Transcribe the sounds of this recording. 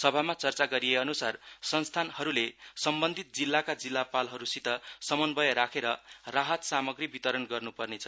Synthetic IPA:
sʌbʱamat͡sʌrt͡saɡʌɾijeʌnusarsʌnst̪ʰanhʌɾulesʌmbʌnd̪ʱit̪̚d͡zilːakad͡zilːapalɦʌɾusit̪ʌsʌmʌnbʌjʌɾakʰeɾʌraɦʌt̪samʌɡribit̪ʌɾʌnɡʌrnupʌrnet͡sʰʌ

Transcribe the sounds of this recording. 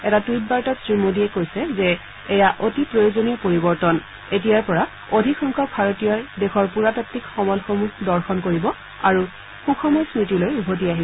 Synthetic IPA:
ɛtatujt̚baɹtatsɹimodiɛkojsɛzɛː | jaʔotipɹojozonijɔpoɹibɔɹtɔn | et̬ijaɹpɔɹa | odʱikʰɔŋkʰɔk̚bʱaɹotijɔjdɛxʰɔɹpuɹatatːikxɔmɔlxomukdɔɹxɔnkoɹibɔ | aɹu | xukʰɔmɔjsnitilojubʱot̬iaɦibɔ

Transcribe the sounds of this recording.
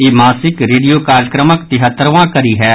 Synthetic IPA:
eːmaːsɪkɾeːɖijoːkaːɾjəkɾəməkt̪ɪɦət̪ːəɾʋãːkəɾiːɦɛː

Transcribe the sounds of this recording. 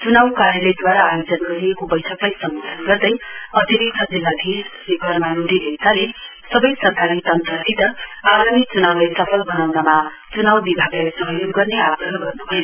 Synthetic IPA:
t͡sunawkaɾjʌled̪waɾaːjod͡zʌnɡʌɾiekobʌjʈʰʌklajsʌŋɡʌd̪ʰʱʌnɡʌrd̪ʌjʌt̪iɾik̚t̪ʰʌd͡zilːad̪ʱissikʌrmanud̪ʱiɦesale | sʌbʌjsʌrkaɾit̪ʌnt̪rʌt̪it̪ʌaɡanit͡sunawlajsʌpʰʌlbʌnawnama | t͡sunawbibʱaɡlasʌɦʌjoɡːʌrnead̪ʱʌɦɡʌrnubʱʌjon

